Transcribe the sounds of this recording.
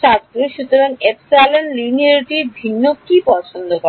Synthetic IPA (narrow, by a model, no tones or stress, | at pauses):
ʃʰast̪ɾoʃut̪oɾaŋepsalonliniaɾʈiɾbʱinːokipɔt͡ɕʰond̪okɔ